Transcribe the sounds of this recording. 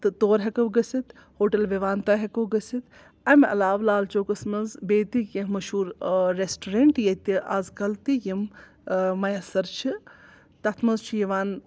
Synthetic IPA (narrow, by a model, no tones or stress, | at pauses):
t̪ɨt̪oːɾɦɐkɐwɡɐsit̪ | hoːʈɐlʋeʋaːnt̪aɦɐkɐwɡɐsit̪ | ɐmʲɐ̰laːʋlaːlt͡ʃoːkɐsmɐzbeːt̪ikjɐmɐʃhuːɾːesʈoɾeɳʈjɐt̪iʔazkɐlt̪ijim | mɐjɐsɐɾt͡ʃʰi | t̪ɐt̪ʰmɐzt͡ʃʰujiʋaːn